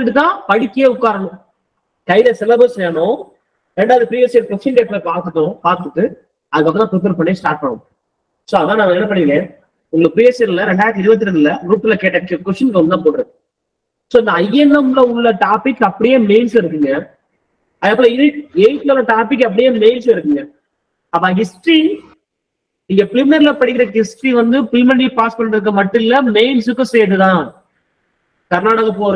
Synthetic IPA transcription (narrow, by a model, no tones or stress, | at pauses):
ɪʈːɯt̪ːãːpɐɽɪkːɪjeːʊkːaːɾɐɳʊ̃ | kɐɪlɐsɛlɐbɾeːsɐnenʊ̃ | ɾɛɳɖaːʋðɯpɾiːeseɾkʊsʂɐnkeːʈ̚pːɐːpaːɾt̪ɯʈːʊ̃paːɾt̪ɯʈːɯ | ɐðɯkːɐpːɐ̃t̪ãːpɾɪp̬eːɾpɐɳːijesʈaːɾʈ̚pɐɳʊ̰̃ | soːɐðãːnãːʋɐɛnːɐpɐɽŋɡẽ | ʊŋɡɐɭɐpɾiesɐɾɪlːɐɾɛɳɖaːjðɪɾɯbɐt̪̬ːɪɾɐnðɪlːɐɾuːʈːɪlɐkeːʈːɐkkːɛfʂɐnkɐmɯt̪ãːpoːʈːɪɾɯk | soːɪnd̪ɐɐjːɐnːɐmlɐʊɭːɐʈaːpɪkːɐpːɐɽɪjeːmeɪnslɐɪɾɯkːɯŋɡɐ | ɐðɐpːoɪðɯeːʈlɐlːɐʈaːpɪkːɐp̬ːɐɽɪjeːmeɪnslɐɪɾɯkːɯŋɡɐ | ɐpːãːɦɪsʈɾi | ɪŋɡɐplɪmɪnɐɾɪlɐpɐɽɪkːɪɾɐkɪsʈɾiʋɐnd̪ɯfɪlmɐnɖipaːspɐnɳɪɾɯk̬ːɐmɐʈːɯ̃ɪlːɐmeɪnsɯkːɯ̃sɛjʈ̬ːɯt̪ãː | kɐɾnaːɽɐɣɐpoːɾ